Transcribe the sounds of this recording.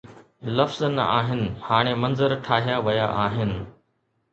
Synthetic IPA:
lɐfznɐ̰aːɦɪnɪ̆haːɽ̃emɐ̃nzəɾʈʰaːɦijaʋɐjaʔaːɦɪnɪ̆

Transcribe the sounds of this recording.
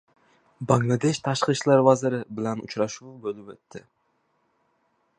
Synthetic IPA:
baŋlˠad̪e̞ʃt̪ʰaʃqɨʃlaɾvazɪɾɪbɪlanʊ̰t͡ʃɾaʃubolɪpet̪ːɪ

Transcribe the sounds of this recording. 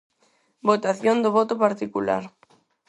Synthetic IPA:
bot̪aθjond̪oβɔt̪opaɾt̪ikula̰ɾ

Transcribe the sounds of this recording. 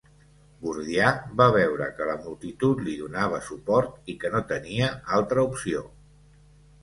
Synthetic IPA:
buɾðiaβaβ̞ɛwɾə̰kələmulˠt̪it̪ut̪liðunaβ̞əsupɔɾt̪ikənot̪əniəalˠt̪ɾəupsio

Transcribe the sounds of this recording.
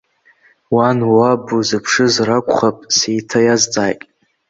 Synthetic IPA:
wanwabuzɨpʰʂɨzrakʷχapʼsejtʰajazt͡sʼaːjtʼ

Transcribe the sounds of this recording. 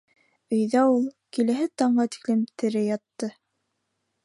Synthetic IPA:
ɵ̆jðæulˠkilæɦɘt̪ɑɴɢɑt̪i̥klɘmt̪ɘ̆ɾɘjɑt̪ːɤ

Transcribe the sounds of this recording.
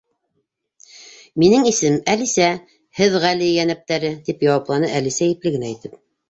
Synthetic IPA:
minɘŋisɘmælisæ | hɘðʁælijænæp̚t̪æɾɘt̪ipjɑwɑplˠɑnɤʔælisæjɘ̆plɘɡɘ̆næit̪ɘp

